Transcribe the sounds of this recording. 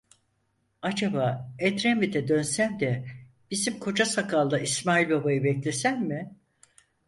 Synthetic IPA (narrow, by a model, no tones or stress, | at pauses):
ad͡ʒabaːɛt̪ɾɛmːid̪ɛd̪ø̞nsæmd̪ɛ | b̥izimkʰo̞d͡ʒasakʰalˠd̪aismaːilʲbabajɯbɛclʲesænmɪ